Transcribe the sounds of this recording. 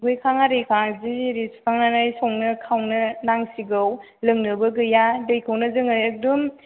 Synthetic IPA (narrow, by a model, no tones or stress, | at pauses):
ɡujkʰaŋaɾejkʰaŋziɾisu̥tʰaŋnanajsɔŋnɯkʰawnɯnaŋsiɡɯw | lɯŋnɯbɯɡɯjadɯjkʰawnɯzɯŋɯjɐk̚dum